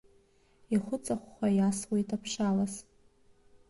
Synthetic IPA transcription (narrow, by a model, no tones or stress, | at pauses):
iχʷʊt͡sʼaχʷχʷajaswejtʰʼapʰʂalas